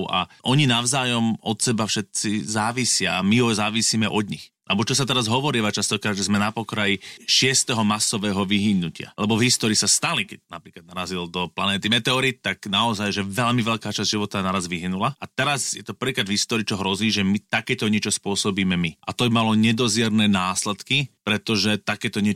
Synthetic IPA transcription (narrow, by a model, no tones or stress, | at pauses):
a̰ʔɔɲinaʊzaːjɔmɔt̪sɛbafʃɛt̪̚t͡sizaːʋisɪaːmiɦɔzaːʋisiːmɛʔɔd̪ɲḭx | alɛbɔt͡ʃɔsat̪ɛɾazɦɔʋɔɾiːʋat͡ʃast̪ɔkɾaːd̪ʒɛzmɛnapɔkɾajiʃɪɛst̪ɛɦɔmasɔʋɛːɦɔʋiɦiɲnːucɪa̰lɛbɔvɦist̪ɔːɾiːsast̪alikɛc̚napɾiːklad̪naɾazild̪ɔplanɛːt̪imɛt̪ɛɔɾit̪t̪ːaknaɔzajʒɛʋɛʎmiʋɛʎkaːt͡ʃazdʲʒiʋɔt̪anaɾazʋiɦinulaat̪ɛɾazjɛt̪ɔpɾr̩ʋiːkɾad̪vɦist̪ɔːɾiːt͡ʃɔɦɾɔziːʒɛmit̪akɛːt̪ɔɲɪɛt͡ʃɔspʊɔsɔbiːmɛmiʔat̪ɔbimalɔɲɛd̪ɔzjɛɾnɛːnaːslɛt̪kipɾɛt̪ɔʒɛt̪akɛːt̪ɔɲɪɛ